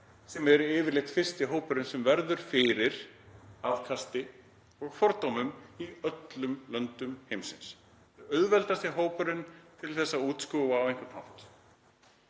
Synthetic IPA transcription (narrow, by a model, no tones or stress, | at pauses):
sɛmɛɾʏɪːvɪɾlejht̪fɪr̥st̪ɪɦoːwpʏɾʏnsɛmvɛɾðʏɾ̥fɪɾɪɾ̥aðkʰast̪ɪ | ɔɣfɔɾt̪awmʏmiœt̪lʏmlœnt̪ʏmhejmsɪ̰ns | œðvɛlt̪ast̪ɪɦoːwpʏɾʏnt̪ʰɪlθɛsːauːt̪skɔɣawejŋ̥kʏɾnhawht̪